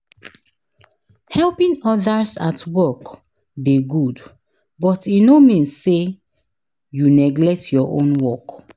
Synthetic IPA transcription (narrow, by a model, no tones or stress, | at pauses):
hɛlpĩŋɔðasatwɔk | deɡud | bɔtinomĩnːe | junɛɡlɛk̚tʰjɔʔõ̰nwɔk